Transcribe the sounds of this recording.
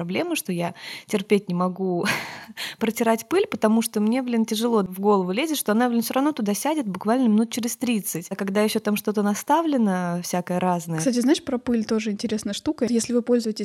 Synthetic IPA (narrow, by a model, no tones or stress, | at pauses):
ɐblʲe̞məʂt̪o̞jatʲɪrpʲet̚ʲnʲɪmɐɡu | pɾətʲɪɾatʲpɨlʲpət̪ɐmuʂt̪o̞mnʲevlʲintʲɪʐɨlˠo̞vɡo̞lˠəvʊlʲezʲɪt̪ʂt̪oɐnavlʲinsʲoɾɐvnot̪ʊd̪asʲædʲɪt̪̚bʊkvalʲnəmʲɪnut̪̚t͡ɕɪɾʲɪst̪ɾʲit̪sɨtʲkɐɡd̪ajɪɕːot̪amʂt̪o̞t̪ənɐst̪avlʲɪnəfsʲakəjəɾaznəjsəatʲɪznaɪʂpɾɐpɨlʲt̪o̞ʐɨɪnʲtʲɪɾʲe̞snəjəʂt̪ukəjesʲlʲɪvɨpo̞lʲzʊjɪtʲɪsʲ